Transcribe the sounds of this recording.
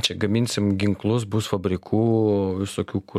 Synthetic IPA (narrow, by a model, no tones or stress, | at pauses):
t͡ʃʲɛɡɐmʲɪnʲsʲɪmɡʲɪŋklˠʊsbʊsfɐbʲɾʲɪkʰuːʋʲɪsoːkʲuːkʊ